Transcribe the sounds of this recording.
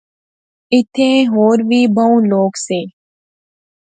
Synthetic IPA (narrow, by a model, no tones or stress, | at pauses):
ɪt̪ʰẽːɦoːɾʋiːbʱəũːloːkseː